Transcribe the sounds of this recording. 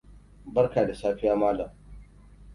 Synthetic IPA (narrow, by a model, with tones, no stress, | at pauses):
bɐ˦ɾkaː˨da˨saː˦ɸɪ˦jaː˦maː˦laː˨